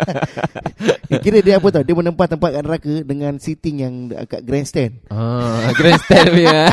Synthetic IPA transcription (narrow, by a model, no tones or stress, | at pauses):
kiɾədiapət̪adiəmənəmpat̪ːəmpat̪̚kaʔnəɾakədəŋãnsit̪ɪŋjaŋ̰ka̰ʔɡɾɛnst̪ɛnaɡɾɛnst̪ɛnmi